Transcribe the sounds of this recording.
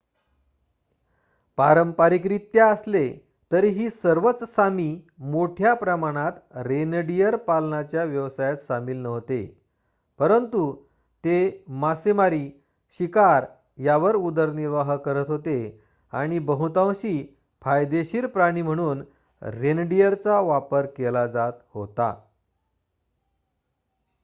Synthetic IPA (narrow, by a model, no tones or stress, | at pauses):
paɾəmpaɾik̬ɾiːt̪ːjaəsle | t̪əɾiːɦiːsəɾʋət͡ssamiː | moʈʰjapɾəmaɽ̃at̪ɾenɖijəɾpalnat͡ɕjaʋjəʋsajat̪ɕamiːlnəʋt̪ḛ | pəɾənt̪u | t̪emasemaɾiː | ɕikaɾ | jaʋəɾud̪əɾniɾʋaɦkəɾət̪ɦot̪e | a̰ɽ̃ibəɦut̪ãwɕiː | pʰajd̪eɕiːɾpɾaɽ̃iːm̤əɽ̃uːn | ɾenɖijəɾt͡saʋapəɾkelad͡zat̪hot̪a̰